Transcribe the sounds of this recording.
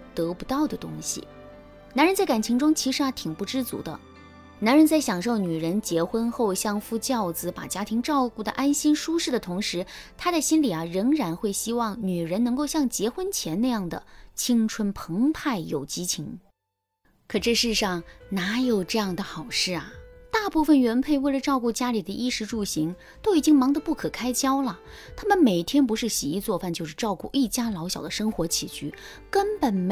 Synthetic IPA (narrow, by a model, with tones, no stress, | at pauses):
t̪ɤ˧˥pu˧˥t̪ɑ˥˩ʊd̪ə˩t̪ʊ̰˥ŋɕḭ˨ | na˧˥nɻə˧˥nt͡sa˥˩ɪka˨˩nt͡ɕʰi˧˥ŋʈ͡ʂʊ˥ŋt͡ɕʰi˧˥ʂɻ̩˧˥a˧˩t̪ʰi˨˩ŋpu˥˩ʈ͡ʂɻ̩˥t͡sṵ˧˥d̪ə̰˧ | na˧˥nɻə˧˥nt͡sa˥˩ɪɕjɑ˨˩ŋʂo˥˩ʊny˨˩ɻə˧˥nt͡ɕjɛ˧˥xwə˥nxo˥˧ʊɕjɑ˥˧ŋfu˥˧t͡ɕjɑ˥˧ʊd͡zɹ̩˩pa̰˨˩t͡ɕja˥t̪ʰi˧˥ŋʈ͡ʂɑ˥˧ʊku˥˩d̪ə̰˩ʔa˥nɕi˥nʂu˥ʂɻ̩˥˩d̪ə˩t̪ʰʊ˧˥ŋʂɻ̩˧˥t̪ʰa˥ɾə˧ɕi˥nli˨˩ɐ˩ɻɤ˧˥ŋɻa˧˥nxwe˥˩ɪɕi˥wɑ˥˩ŋny˨˩ɻə˧˥nɤ˧˥ŋko˥˧ʊɕjɑ˥˩ŋt͡ɕjɛ˧˥xwə˥nt͡ɕʰjɛ˧˥na˥˧ɪjɑ˥˩ŋd̪ə̰˩t͡ɕʰi˥ŋʈ͡ʂʰwə˥npʰɤ˧˥ŋpʰa˥˩ɪjo˨˩ʊt͡ɕi˧˥t͡ɕʰi˧˥ŋ | kʰɤ˨˩ʈ͡ʂɤ˥˧ʂɻ̩˥˧ʂɑ˥˩ŋna˧˥jo˨˩ʊʈ͡ʂɤ˥˧jɑ˥˩ŋd̪ə˩xɑ˨˩ʊʂɻ̩˥˩ɐ˩t̪a˥˧pu˥˩fə˨˩nɥɛ˧˥npʰe˥˧ɪwe˥˩ɪlə˩ʈ͡ʂɑ˥˧ʊku˥˩t͡ɕja˥li˨˩d̪ə˦ʔi˥˧ʂɻ̩˧˥ʈ͡ʂu˥˩ɕi˧˥ŋ | t̪o˥ʊi˨˩t͡ɕi˥ŋmɑ˧˥ŋd̪ə˧pu˥˩kʰɤ˨˩kʰa˥ɪt͡ɕjɑ˥ʊlə˨ | t̪ʰa˥mə˨nme˨˩ɪt̪ʰjɛ˥np̬u˧˥ʂɻ̩˥˩ɕi˨˩i˥˧t͡swɔ˥˧fa˥˧nt͡ɕjo˥˧ʊʂɻ̩˥˧ʈ͡ʂɑ˥˧ʊku˥˧ʔi˥˩t͡ɕja˥lɑ˧˥ʊɕjɑ˨˩ʊd̪ə˦ʂɤ˥ŋxwɔ˧˥t͡ɕʰi˨˩t͡ɕʰy˥˩ | kə˥npə˨˩nm